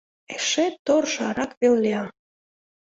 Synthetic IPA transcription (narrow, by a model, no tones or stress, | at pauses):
eʃet̪ːorʃɑɾɑkβelleɑ